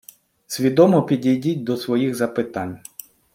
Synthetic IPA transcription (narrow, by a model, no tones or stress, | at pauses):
sʲʋʲid̪ɔmɔpʲid̪ʲijdʲitʲd̪ɔsʋɔjiɣzɐpɪt̪ɑnʲ